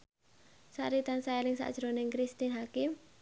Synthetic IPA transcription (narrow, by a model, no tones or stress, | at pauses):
sa̰ɾit̪ansaelɪŋsa̰ʔd̥ʒ̥ɾoneŋkɾist̪inɦakɪm